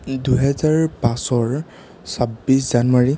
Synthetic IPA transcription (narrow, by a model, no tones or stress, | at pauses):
duɦɛzaɹpãsɔɹ | sabisz̥anwaɹi